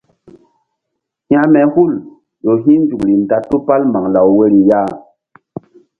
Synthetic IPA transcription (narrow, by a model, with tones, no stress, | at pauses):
hj̃a˦mɛ˨hu˦˨l | ɗo˨ɦĩ˦n˦d͡ʒu˨kli˨n˨ta˨tu˦pa˦lma˨ŋla˨wwe˦ɾi˨ja˦˨